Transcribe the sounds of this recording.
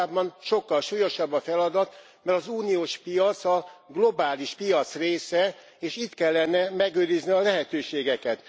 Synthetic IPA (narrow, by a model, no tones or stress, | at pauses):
bːɒnʃo̞kːɒlʃuːjo̞ʃɒbːɒfɛlɒd̪ɒt̪ | mɛɾɒzuːnijoːʃpijɒt̪sɒɡlo̞baːliʃpijɒt̪sreːsɛ | eːʃit̪kɛlːɛnɛmɛɡøːɾizniɒlɛɦɛt̪øːʃeːɡɛkɛt̪